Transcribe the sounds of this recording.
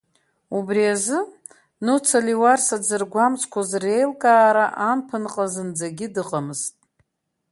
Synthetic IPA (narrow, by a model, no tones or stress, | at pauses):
ubriazɨ | nut͡sʰaliwarsad͡zɨrɡʷamt͡sʰʼkʷʰazre̞jlkʼaːɾaʔanpʰɨnqʼazɨnd͡zaɡʲɪdɨqʼamɨz̥tʼ